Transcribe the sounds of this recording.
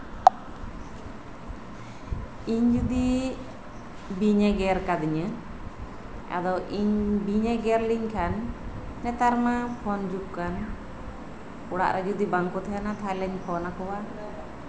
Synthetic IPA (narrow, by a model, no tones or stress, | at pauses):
iɲd͡ʒud̪i | biɲɛɡɛɾkad̪iɲə | a̰d̪ɔʔiɲbiɲɛɡɛɾliɲkʰanːɛt̪aɾmapʰɔnd͡ʒuk̚kan | uɽa̰ʔɾʔɛd͡ʒud̪ibaŋkɔt̪ʰɛjanat̪ʰalɛɲpʰɔnakɔwa